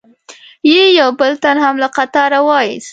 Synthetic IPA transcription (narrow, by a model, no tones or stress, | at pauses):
jejawbəlt̪anhamlaqat̪ɑɾawɑjḭs